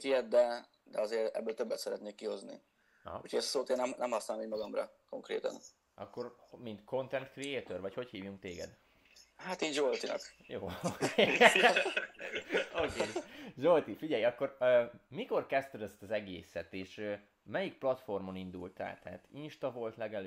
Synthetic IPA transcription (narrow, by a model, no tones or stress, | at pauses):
t̪ijɛt̪̚d̪ɛ | d̪ɛ̰ɒzeːɾɛ̰bːøːlt̪øbːɛt̪sɛɾɛt̪neːkːiho̞znḭ | ucʰoɟɛssoːt̪eːnːɛmnɛmhɒsnalɔmiːɟmɒɡɒmrɒ̰ko̞ŋkɾḛːt̪ɒ̰n | ɒkːo̞rmint̪kʰo̞nt̪ɛnt̪krieːt̪orvɒcho̞chiːvjuŋk̚t̪eːɡɛ̰d̪ | haːt̪iːzolt̪inɒ̰k | joːoke | oːkeːjʒolt̪ifiɟɛjɒkːo̞rømiko̞rkɛst̪ɛd̪ɛst̪ɒzɛɡeːsɛt̪eːʃø | mɛjik̚plɒt̪fo̞rmo̞nind̪ult̪a̰ːlt̪ɛːt̪inʃt̪ɒvo̞lt̪lɛɡɛl